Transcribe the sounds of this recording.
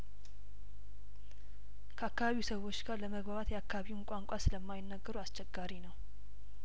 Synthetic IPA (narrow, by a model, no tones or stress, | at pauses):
kʰəakːaβaβiusəwo̞t͡ʃːɡaɾləməɡbaβat̪jɛakʰːaβaβiwnkʷʼaŋkʷʼasɨləmːajɪnːəɡːəɾuast͡ʃʰɛɡːaɾinəw